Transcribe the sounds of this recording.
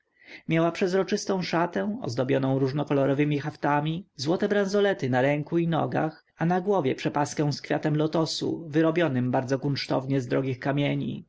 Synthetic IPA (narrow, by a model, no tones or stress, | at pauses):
mʲjawapʂɛzɾɔt͡ʂɘst̪ɔ̃w̃ʂat̪ɛ̃w̃ɔ̰zd̪ɔbʲjɔnɔ̃w̃ɾuʐnɔkɔlɔɾɔvɘmʲixaft̪amʲizwɔt̪ɛbɾãzɔlɛt̪ɘnaɾɛŋkuinɔ̰ɡa̰x | anaɡwɔvʲjɛpʂɛpaskɛ̃w̃skfʲjat̪ɛmlɔt̪ɔsṵvɘɾɔbʲjɔnɘmbaɾd̪zɔkunt͡ʂt̪ɔ̰vɲɛzd̪ɾɔɡʲixkamʲjeɲḭ